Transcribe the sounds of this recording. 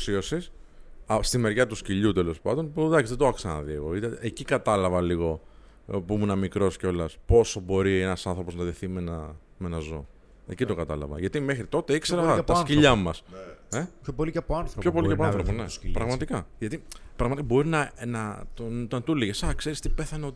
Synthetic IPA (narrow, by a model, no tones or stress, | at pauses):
siosisɐst̪ime̞ɾʝɐt̪usciʎut̪elo̞spɐ̰nd̪o̞npuðɐksizðed̪oɐksɐnɐ̰ðieɣo̞it̪eecikɐt̪ɐlɐvɐliɣo̞ | pumunɐmikɾo̞sceo̞lɐspo̞so̞bo̞ɾienɐsɐnθɾo̞po̞znɐðeθimenɐ | me̞nɐzo̞̰ | ḛcit̪okɐt̪ɐlɐ̰vɐ̰ʝɐt̪imexɾit̪o̞t̪eikseɾɐɐɐsciʎɐmɐseçopoliɐpoɐnθɾço̞po̞liceɐpɐnθɾoponepɾɐɣmɐt̪ikɐʝɐt̪ipɾɐɣmɐt̪ikabo̞ɾinɐnɐt̪ont̪ɐnt̪uliʝesɐkse̞ɾist̪ipe̞θɐneot̪i